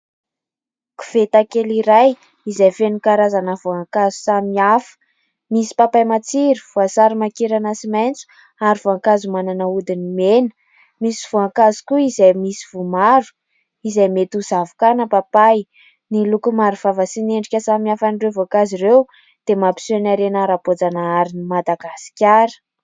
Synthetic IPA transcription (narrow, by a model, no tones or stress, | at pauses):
ku̥v̥et̪akeliɾaj | izajfenikaɾazanəv̥oaŋkazu̥samiafə̥ | misi̥papajmat͡siɾi̥vuasaɾimakiɾanasimajnt͡su̥ | aɾivoaŋkazumananəud̪inimenə̥ | misiv̥uaŋkazu̥kuizajmisi̥v̥umaɾu̥ | izajmet̪uzavukanəpapaj | nilukumaɾuv̥avəsineɳɖ͡ʐikʲəsamiafanirewvoakazirew | d̪̥emapi̥suanaɾenaɾapod͡zanaaɾinimad̪aɡasi̥kʲaɾə̥